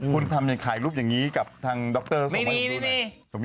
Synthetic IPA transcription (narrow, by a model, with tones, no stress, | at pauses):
kʰu˧nt̪ʰa˧mja˨˩ŋkʰaː˨˩˦jluː˦˥˩p̚jaː˨˩ŋːiː˦˥ka˨˩p̚t̪ʰaː˧ŋdɔ˦˥k̚t̪ɤː˧˥˩sma˥˦˩i˧a˦˥˧i˧˩sʰo˩˦